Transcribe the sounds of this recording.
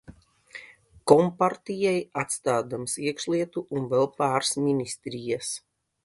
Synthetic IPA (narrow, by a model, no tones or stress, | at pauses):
kɔmpaɾt̪ijɛjat̪st̪aːd̪amsiɛkʃlˠiɛt̪uʔunvɛlˠpaːɾsminisʲt̪ɾijas